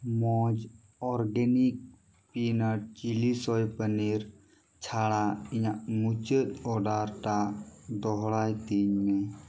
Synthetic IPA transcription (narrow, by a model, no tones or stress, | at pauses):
mɔd͡ʒ | ɔɾɡɛnik̚ | pinəʈ̚t͡ʃilisɔjpəniɾ | t͡ʃʰaɽaijaʔmut͡ʃət̪̚ɔɖaɾʈad̪ɔɦɽajt̪iɲmɛ